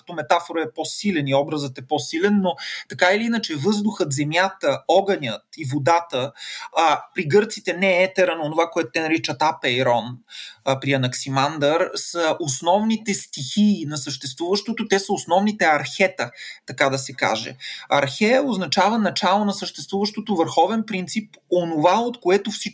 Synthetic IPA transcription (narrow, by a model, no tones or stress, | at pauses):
kɐ̥t̪ɔmɛt̪afoɾəɛposilɛniɔbɾəzət̪ɛposilɛnːot̪ɐkailiinət͡ʃɛvɤzd̪ʊxət̪zɛmjat̪əɔɡənʲət̪ivod̪at̪ə | pɾiɡɤɾt̪sit̪ɛnɛɛt̪ɛɾənoːnovakoɛt̪o̥t̪ɛnɐɾit͡ʃət̪apɛiɾɔnpɾiɐnɐksimand̪əɾsəʔosnɔvnit̪ɛst̪ixiːnɐsəʃt̪ɛst̪vuvəʃt̪ot̪ot̪ɛsəosnɔvnit̪ɛɐɾxɛt̪ət̪ɐkad̪ɐsɛka̰ʒɛ̰ɐ̰ɾxɛoznɐt͡ʃavənɐt͡ʃalˠonɐsəʃt̪ɛst̪vuvəʃt̪ot̪ovəɾxɔvɛnpɾint̪siponovaot̪koɛt̪ofsi